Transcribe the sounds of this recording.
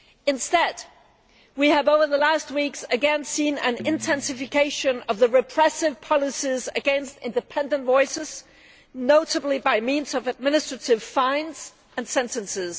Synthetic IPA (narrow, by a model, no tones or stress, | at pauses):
ɨ̃nstɛd̚ | wiɨvoʊvə˞ðəlæst̚wiksɨɡɛ̃nsĩnɨ̃nɪ̃ntʰɛ̃nsɨfɨkʰeɪʃɨ̃nʌvðɨɹɨpʰɹ̥ɛsɨv̥pʰɑlˠɨsizɨ̰ɡɛ̃nstɪ̰̃ndɨpʰɛ̃ndɨ̃ntvɔɪsɪz̥ | noʊɾɨblibaɪmĩnzʌvɨd̚mɪnɨstɹ̥ɨɾɨv̥fãɪ̃ndz̥ | ɨ̃nsɛ̃ntɨ̃nsɪz̥